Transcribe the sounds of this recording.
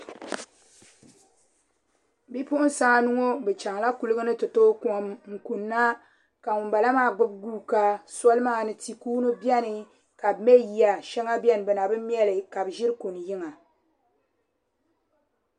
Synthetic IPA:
bi˦pʊ˦ʔʊ˦n˦sa˦ŋa˨nu˦ŋo˦bɛ˨t͡ʃa˨ŋla˦ku˦lɨ˦ɡɨ˦nɨ˦tɨ˨to˦ku˦˨mŋ̩˨ku˨nːa˦ | ka˨ŋʊ˨mba˨la˦maː˦˨ɡ͡bʊ˦b̚ɡuː˦ka˦sɔ˦lɨ˦maː˦˨nɨ˨ti˨kuː˦nɨ˦bjɛ˦nɨ˨ | ka˨bmɛ˦ji˨a˨ʃɛ˦ŋa˦bjɛ˦nɨ˨bɛ˨na˨bɨ˦m˦mjɛ˦lɨ˨ka˨bʒɪ˦ɾɨ˦ko˨n˨jɪ˦ŋa˨

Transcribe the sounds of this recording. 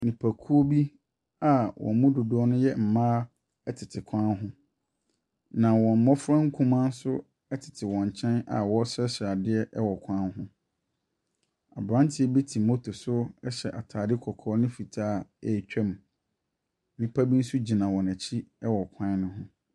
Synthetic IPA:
nĩ˨pʰæ˨kʰu˦o˦bi˦ | a˨wʔɔ̰˨mũ˦dʊ˨dʊ˨ɔ˦nʊ̃˦jɛ˦m̩˨mãː˦ | ɛ˦tʰɪ˨tʰɪ˨kʷʰã˦ɦʊ̃˦ | nã˨wɔ̃˨m̩˨mɔ˦fʊ˦ɾã˦ŋ̩˦kʰũ˦mã˦n̩˦sʊ˦ | ɛ˦tʰɪ̥˨tʰɪ˨wɔ̃˨ɲ˨t͡ɕʰɛ̃˦na̰˨wɔ˦sɛ˦ɕɪ˨a˨dɪ˦ɛ˦ʔɛ˦wɔ˨kʷʰã˦nɦʊ̃˦ | a̰˨bɾã˦ntʰɪ˨˦ɛ˦bi˦tʰi˨mo˦tʰʊ˨sʊ˦ɛ˦ɕɛ˨ʔa˨tʰaː˨dɪ˦kʰɔ˨kʰɔː˦nɪ̃˦fi˨tʰaː˦ɛ˨t͡ɕᶣɛ˦m˨ | nɪ̃˦pʰa˦bi˦n̩˦sʊ˦d͡ʑi˨nã˨wɔ̃˨næ˨t͡ɕʰi˦ɛ˦wɔ˨kʷʰã˦n˦nʊ̃˦ɦʊ̃˦

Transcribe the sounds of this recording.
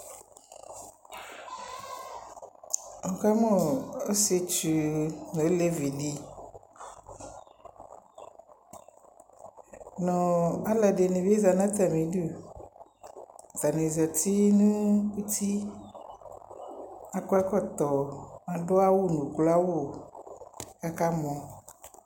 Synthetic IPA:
ɔ̃˨ka˦mɔ̃˦o˦si˦e˨˦t͡ʃu˨no˨˦le˦vi˨li˦ | nɔ̃˨a˦lɛ˨ɖe˨nẽ˨be˦za˨nã˦t̪a˨mĩ˨du˦˨ | t̪a˨nẽ˨za˨t̪i˦nũ˦ku˦t̪ʰi˦ | a˦kɔ˦ɛ˦kɔ˦t̪ɔ˨mã˨ɖo˦a˦wo˦nũ˨kla˦wo˦˨ | ka˦ka˦mɔ̃˨

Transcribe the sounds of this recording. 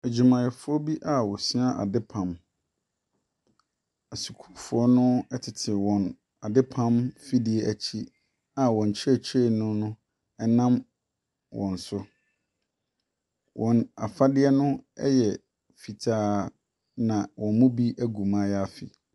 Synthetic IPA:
æ˨d͡ʑu˨mã˨jɛ˨fʊ˦ɔ˦bi˦ʔa˨wɔ˨si˦a˦ʔa̰˨dɪ˦pʰã˨m | a˨su˨kʰu̥˨fʊ˨˦ɔ˦nʊ̃˦ɛ˦tʰɪ˨tʰɪ˨wɔ̃˨n | a˨dɪ˦pʰã˦mfi˦dɪ˦ɛ˦ʔæ˨t͡ɕʰi˦ | a˨wɔ̃˨ɲ˨t͡ɕʰɪ˦ɛ˦˨t͡ɕʰe˦˨nʊ̃˦nʊ̃˦ | ɛ˦nã˦m | wʔɔ̰̃˨n̩˨sʊ˦ | wʔɔ̃˨na˨fa˦dɪ˦ɛ˦nʊ̃˦ɛ̰˦jɛ˨ | fi˨tʰaː˦ | nã˨wʔɔ̃˨nmʊ̃˦bi˦ʔæ˦ɡũ˨mã˦ja˦fɪ̰˨

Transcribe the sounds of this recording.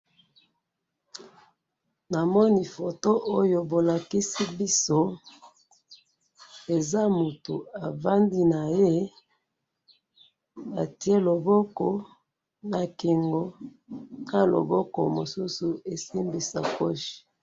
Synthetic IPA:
na˨mɔ˦ni˨fo˨to˦ʔo˦jo˨bo˨la˨ki˦si˦bi˦so˦ | e˨za˦mo˨tu˨a˨va˦ndi˦na˨je˦ | a˨ti˦e˦lo˨bɔ˦kɔ˨ | na˨ki˨ŋɡo˨˦ | na˦lo̰˨bɔ˦kɔ̰˨mo˨su˦su˨e˨si˦mbi˨sa̰˨ko˦ʃi̥˨

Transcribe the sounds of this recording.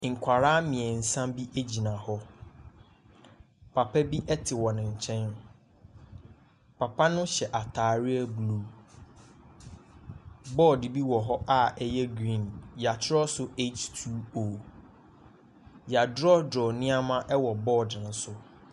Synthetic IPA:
ŋ̩˨kʷʰa˨ɾaː˦mɪ̃˨ɛ˨n̩˨sã˦mbi˦ʔe˦d͡ʑi˨nã˨hɔ˦ | pʰa˨pʰɛ˦bi˦ʔɛ˦tʰɪ˨wɔ̃˨nɪ̃˨ɲ̩˨t͡ɕʰɛ̃˦n | pʰa˨pʰa˦nʊ̃˦ɕɛ˨ʔa˨tʰaː˨ɾɪ˦ɛ˦blu˦ | bɔː˦˨dɪ˨bi˦wɔ˨ɦɔ˦ʔa˦˨ɛ˦jɛ˦ɡɾĩ˦˨nja˨t͡ɕʰɪ˦ɾɔ˦sʊ˦e˦t͡ʃtʰu˦o˨ | ja˨dɾɔ˦dɾɔ˨nɪ̃˦a˦mã˦ʔɛ˦wɔ˨bɔː˦˨dɪ̃˨n̩˦sʊ˦

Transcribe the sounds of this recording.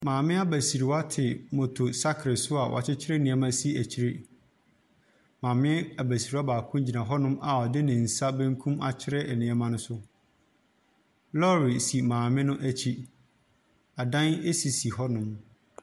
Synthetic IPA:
mãː˨mɪ̃˦a˦bæ˨si˨ɾi˨wa˦tʰɪ˨mɔ̃˨tʰo˨sa˦kʰɾɪ˨sʊ˦a˨wɔ̰˨t͡ɕʰɪ˦t͡ɕʰɪ˦ɾɛ˦˨nɪ̃˨ɛ˦mã˦si˦æ˨t͡ɕʰi˦ɾe˦ | mãː˨mɪ̃˦a˨bæ˨si˨ɾi˨˦a˦baː˨kʰʊ̃˦d͡ʑi˨nã˨ɦɔ˦nʊ̃˦ma˨ɔ˨dɪ˦nɪ̃˨n̩˨sa˦bæ̃˦ŋ˦kʰũ˦ma˨t͡ɕʰɪ˦ɾɛ˦ɛ˨nɪ̃˨ɛ˦mã˦nʊ̃˦sʊ˦ | lɔ˦ɾi˨si˨mãː˨mɪ̃˦nʊ̃˦ʔæ˦t͡ɕʰi˦ | a˨dã˦ne˦si˨si˨hɔ˦nʊ̃˦m

